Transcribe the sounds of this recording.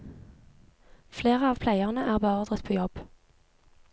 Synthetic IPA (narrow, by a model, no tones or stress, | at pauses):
fleːʁəɑːʋpʰlæɪɑʁnəʔæːʁbəɔʁd̪ʁət̪pʰoːjɔb̥